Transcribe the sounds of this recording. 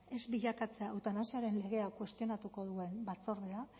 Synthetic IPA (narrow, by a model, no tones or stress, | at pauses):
e̞zbiʎakat͡se̞aːwt̪anasiaɾe̞nle̞ɣe̞akwe̞st̪io̞nat̪uko̞ð̞ue̞nbat͡so̞ɾðea